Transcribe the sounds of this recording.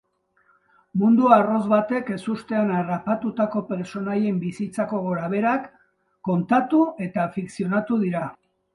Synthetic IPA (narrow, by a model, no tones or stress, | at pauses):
mund̪uaro̞zβat̪e̞ke̞sust̪e̞anarapat̪ut̪ako̞pe̞ɾso̞naje̞mbisit͡sako̞ɣo̞ɾaβ̞e̞ɾakː | o̞nt̪at̪ue̞t̪afiksio̞nat̪uðiɾa